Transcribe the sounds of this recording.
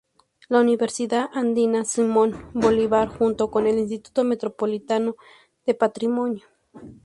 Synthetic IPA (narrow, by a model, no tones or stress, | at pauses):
launiβeɾsiðaʔand̪inasimonboliβaɾxunt̪okonelins̬t̪it̪u̥t̪omet̪ɾopolit̪ano | ð̥epat̪ɾimonjo